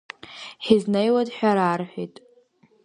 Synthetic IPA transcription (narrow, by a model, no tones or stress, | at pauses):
ħiznejwadħʲᶣaɾarħʷᶣijtʼ